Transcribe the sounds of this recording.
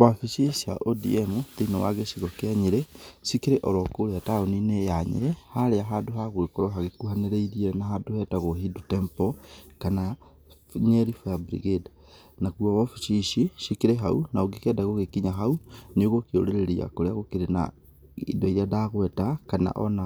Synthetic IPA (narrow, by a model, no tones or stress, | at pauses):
wafiʃisia̰ʔodḭɛmut̪einɔwaɣeʃiɣɔkeaɲeɾɛʃikeɾeʔɔɾɔkoɾeataoninejaɲḛɾɛhaɾeaɦaːdoɦaɣwekoɾɔɦaɣekuhaneɾeiɾieɾɛnaɦadohɛtaɣoɦidutɛmpɔkana | ɲɛɾifɔjabɾḭɣeda | nakuɔɔfiʃiʃiʃikeɾeɦaunaoɡekɛdaɣoɣekiɲaɦauneoɣokeo̰ɾeɾeɾia̰koɾeaɣokeɾena̰ | ḭdɔiɾeadaɣwɛtakana̰ʔɔ̰na